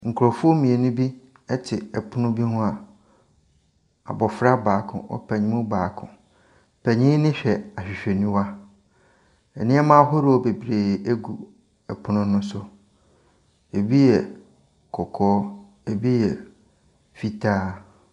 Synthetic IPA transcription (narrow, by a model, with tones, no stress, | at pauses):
ŋ̩˨kʰɾɔ˨fʊ˦ɔ˦mĩ˨e˨nʊ̃˦bi˦ | ɛ˦tʰɪ˨ɛ˨pʰʊ˦nʊ̃˦bi˦ɦʊ̃˦a˨ | a̰˨bɔ˨fɾa˦baː˨˦˨kʰʊ̰̃˨ʔɔ̰˦pʰɛ˨ɲɪ̃˦mʊ̃˦baː˨kʰʊ̰̃˨ | pʰɛ˨ɲɪ̃˦nɪ̃˦ɕᶣɛ˨a˨ɕᶣɪ˨ɕᶣɛ˨nĩ˦wa˦ | ɛ˨nɪ̃˦ɛ˦mã˦ɦʊ˦ɾɔ˦˨be˨bɾeː˨e˦ɡu˨ | ɛ˨pʰʊ˦nʊ̃˦nʊ̃˦sʊ˦ | e˨bi˦jɛ˨ | kʰɔ˨kʰɔː˦ | e˨bi˦jɛ˨ | fi˦tʰaː˦